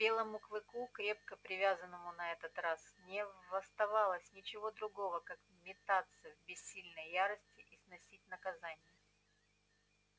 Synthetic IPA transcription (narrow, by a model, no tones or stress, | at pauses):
bʲe̞lˠəmʊkvɨkukɾʲe̞p̚kəpɾʲɪvʲazənːəmʊnɐɛt̪ət̪rasnʲɪvɐst̪ɐvalˠəsʲnʲɪt͡ɕɪvo̞d̪ɾʊɡo̞vəkak | mʲɪt̪at̪səvʲbʲɪsʲːilʲnəjjaɾəsʲtʲɪʔisnɐsʲit̚ʲnəkɐzanʲɪjə